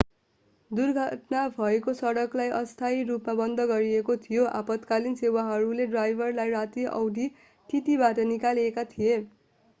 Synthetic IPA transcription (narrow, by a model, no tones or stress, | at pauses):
d̪urɡʱʌʈnabʱʌekosʌɽʌklajʔʌst̪ʰairupmabʌnd̪ʱʌɡʌɾiekot̪ʰijoʔapʌt̪kalinsewaɦʌɾuleɖrajbʱʌrlajrat̪iʔʌ̰wd̪ʱi | t̪it̪ibaʈʌnikaliekat̪ʰije